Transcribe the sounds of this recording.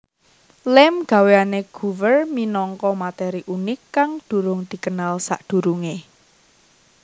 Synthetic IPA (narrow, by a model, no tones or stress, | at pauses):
lɛmɡ̥a̤weaneɡ̥uvərminɔŋkɔmat̪ɛɾiʔunɪkːaŋd̪̥ṳɾʊŋd̪̥i̤kənalsa̰ʔd̪̥ṳɾuŋe